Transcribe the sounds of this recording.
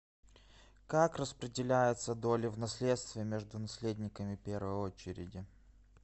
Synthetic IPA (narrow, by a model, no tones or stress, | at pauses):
kakrəspɾʲɪdʲɪlʲæjɪt̪səd̪o̞lʲɪvnɐsʲlʲet̪st̪vʲɪjəmʲeʐd̪ʊnɐsʲlʲedʲnʲɪkəmʲɪpʲe̞rvəjo̞t͡ɕɪɾʲɪ̰dʲɪ